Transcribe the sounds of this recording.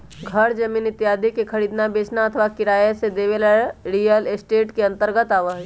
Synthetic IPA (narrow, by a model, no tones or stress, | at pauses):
ɡʱɐɾd͡ʒɐmiːnɪt̪jaːd̪ʱikekʰɐɾiːd̪nabeːt͡ʃnaɐt̪ʰəʋakɪɾaːjəsed̪eːʋelaɾiːjəlesʈeːʈkeɐ̃nt̪əɾɡət̪aːʋəɦ